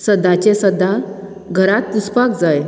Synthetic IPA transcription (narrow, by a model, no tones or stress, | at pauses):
səd̪ʱat͡ɕesəd̪ʱːa | ɡʱəɾat̪ːuspakd͡zaj